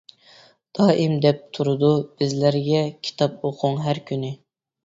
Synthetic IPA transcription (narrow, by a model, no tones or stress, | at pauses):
d̪̥ɑːʔɪmd̪ɛp̚t̪ʰuɾɨd̪ub̥ɪzlæɾɡʲɛkʲʰi̥t̪ʰɑpoqʰʊŋɦæɾkʲʰynɪ